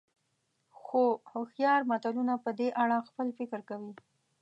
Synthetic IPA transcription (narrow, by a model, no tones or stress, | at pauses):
xohʊxjɑɾmat̪alunapəd̪eʔaɽaxpəlfɪkɾkawi